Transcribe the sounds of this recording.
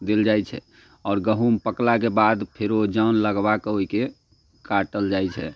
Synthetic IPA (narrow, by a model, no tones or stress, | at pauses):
d̪eld͡ʒajt͡ʃʰɛ̰ | ɔːɾɡəɦumpəklakebad̪pʰeɾod͡ʒənləɡbakɦoike | kaʈəld͡ʒajt͡ʃʰɛ